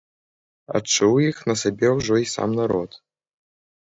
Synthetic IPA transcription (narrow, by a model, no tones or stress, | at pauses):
a̰t͡ʂuwjixnɐsabʲɛwʐɔisa̰mnaɾɔt̪